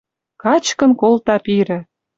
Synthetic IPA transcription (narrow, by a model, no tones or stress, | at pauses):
kɑt͡ɕkɤ̆nkolt̪ɑpiɾɘ̆